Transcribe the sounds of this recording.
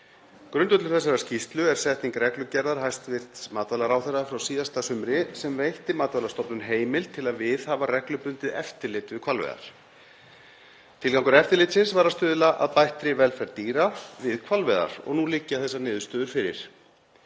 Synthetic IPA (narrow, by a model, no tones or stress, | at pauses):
kɾʏnt̪œt̪lʏ̥θɛs̬ːaɾascist̪lʏɛɾ̥sɛht̪niŋkɾɛklʏcɛɾðaɾ̥ɦajst̪vɪr̥t̪maːt̪valaɾaːwθɛɾðafɾawsiːðast̪asʏmɾɪsɛmvejht̪ɪmaːt̪valaɾst̪ɔpnʏnɦeːjmɪlt̪ʰɪlaðvɪðhaːvarɛklʏpʏnt̪ɪðɛft̪ɪɾlɪt̪vɪðkʰv̥alvɛ̰ða̰ɾ̥ | t̪ʰɪlkawŋkʏɾɛft̪ɪɾlɪjt̪sɪnsvaɾast̪ʏːðɪlaʔa̰ðpajht̪ɾɪvɛlfɛɾt̪iːɾavɪðkʰvalvɛða̰ɾ̥ɔ̰ɣnulɪcːaθɛsːanɪːðʏst̪œːðʏɾ̥fɪɾɪ̰ɾ̥